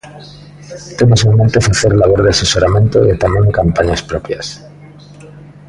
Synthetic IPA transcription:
t̪e̞mos̬ement̪eofɾeθeɾlaβoɾðease̞so̞ɾamjẽ̞nt̪oet̪ameŋkampaɲaspɾo̞pjas

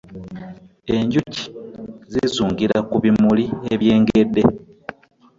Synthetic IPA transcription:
e̞ɲɟuci̥zizuːŋɡiɾakuβimulieβje̞ːŋɡe̞dːe̞

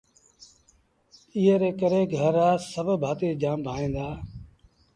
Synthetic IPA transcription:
iːeɾeːkəɾeːɡʱəɾaːsəbʱbʱaːt̪eːd͡ʒaːmbʱaːĩːnd̪aː

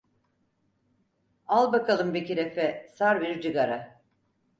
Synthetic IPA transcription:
alˠbakʰalˠɯmbiciɾefɛsaɾbiɾd͡ʒɯɡaɾa

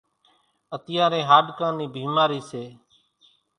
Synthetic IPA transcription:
ət̪ɪjãːɾẽːɦaːɗkãːniːbiːmaːɾiːseː

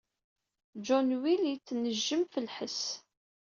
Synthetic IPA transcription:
d͡ʒɔnwiljət͡sːnəʒːəmfəlħəs

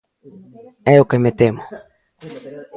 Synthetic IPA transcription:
ɛjokemet̪emo

